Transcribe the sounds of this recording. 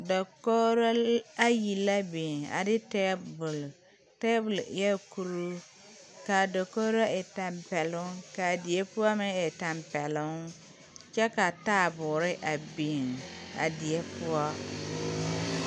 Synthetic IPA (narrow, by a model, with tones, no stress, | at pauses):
do˨ko˦ɾa˦ji˨la˦beː˨ŋa̰˨dɪ˦tɛː˦bʊ˨l | tɛː˦bʊ˨ljɛ˦ku˦ɾu˦ | ka˨do˨ko˦ɾa˦ɛ˨ta˨mpɛ˨lʊ˦ka˨dɪ˨ɛ˦pʊ˦ɔ˦mɪ˦ɛ˨ta˨mpɛ˨lʊ˦ŋ | t͡ʃɛ˦ka˨ta˦˨bʊ˨ɾɪ˦ʔa˨beː˨ŋa̰˨dɪ˨ɛ˦pʊ˦ɔ˦